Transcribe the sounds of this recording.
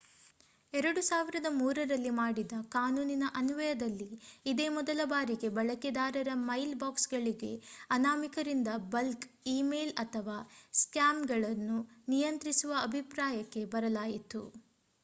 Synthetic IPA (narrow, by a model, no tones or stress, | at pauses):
ɛɾɐɽusaːʋiɾɐd̪ɐmuːɾɐɾɐlːimaːɽid̪ɐkaːnuːninɐʔɐnuʋɐjɐd̪ɐlːiːd̪eːmɔd̪ɐlɐbaːɾiɡe̞bɐɭɐkid̪aːɾɐɾɐmɐjlbaːksɡɐɭiɡe̞ɐnaːmikɐɾind̪ɐbɐlk | iːmeːlɐt̪ʰɐʋaːskjaːmɡɐɭɐnːunijɐnt̪ɾisuʋɐɐbʱipɾaːjɐkːe̞bɐɾɐlaːjit̪ṵ